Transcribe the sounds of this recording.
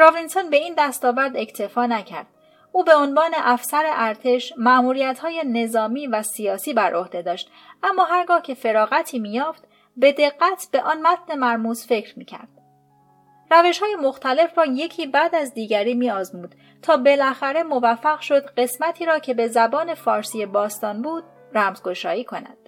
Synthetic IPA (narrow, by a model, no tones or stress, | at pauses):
ɾovinsonbe̞iːnd̪æst̪ɒːvæɾd̪e̞cʰt̪ʰe̞fɒːnæcʰæ̰ɾd̪̥ | ʔuːbe̞o̞nvɒːne̞ʔæfsæɾeʔæɾt̪ʰe̞ʃmæʔmuːɾijæt̪hɒːjene̞zɒːmiːvæsijɒːsiːbæɾʔo̞hd̪e̞d̪ɒːʃt̪ | ʔæmːɒːɦæɾɡɒːhcʰe̞fe̞ɾɒːɣæt̪ʰiːmiːjɒːft̪ | be̞d̪e̞ɡːæt̪ʰb̥eʔɒːnmæt̪̚ʰne̞mæɾmuːzfe̞cɾmḭːcʰæ̰ɾd̪̥ | ræve̞ʃhɒːje̞mo̞xt̪ʰæle̞frɒːje̞cʰiːbæd̪æzd̪iːɟæɾiːmiːɒːzmuːd̪̥ | t̪ʰɒːbe̞lʔæxæɾe̞mo̞væfːæɣʃo̞d̪ɢe̞smæt̪ʰiːɾɒːcʰe̞be̞zæbɒːne̞fɒːɾsijebɒːst̪ɒːnbuːd̪̥̚ | ræmzɡo̞ʃɒːjiːkʰo̞næ̰d̪̥